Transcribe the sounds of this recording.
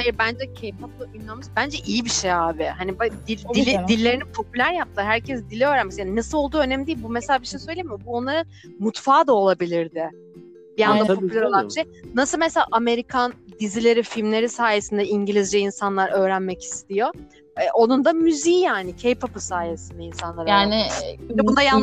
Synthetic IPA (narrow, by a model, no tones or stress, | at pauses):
ajiɾbænd͡ʒɛcʰejpʰap̚ɯynˠamaʃbænd͡ʒɛʔijibiʃejaːbɪhanibad̪iid̪ilʲːe̞ɾinipʰo̞pylʲæɾjap̚t̪ʰɯɦæɾcʰɛsd̪ilʲiøːɾænmɛsjaːninasɯlˠo̞lˠd̪uːø̞nɛmid̪ijilbumɛselʲabiʃejsøjlʲejimɪbuo̞nlˠaɾɯn | mut̪faːd̪ao̞lˠabilʲiɾd̪ɪ | bijand̪ap̪ʰopylʲæɾolˠanbiʃejnasɯlˠmeselʲa̰ːʔame̞ɾikʰand̪izilʲe̞ɾifilʲmlʲe̞ɾisaːjesind̪ɛiɲɟilʲizd͡ʒɛinsanlˠaɾʔø̞ːɾænmɛci̥st̪ijo̞ | ɛʔo̞nund̪amyziːjaːnɪcʰejpʰapɯsaːjesind̪ainsanlˠaɾaːnɪɛbund̪ajan